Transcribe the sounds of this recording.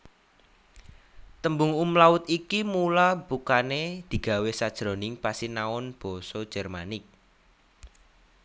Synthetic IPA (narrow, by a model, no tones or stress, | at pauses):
t̪əmbʊŋumlaʊt̪ikimulab̥ukaned̪̥i̤ɡ̥a̤wesad̥ʒ̥ɾo̤nɪŋpasinaɔnb̥ɔ̤sɔd̥ʒ̥ɛ̤rmanɪk̚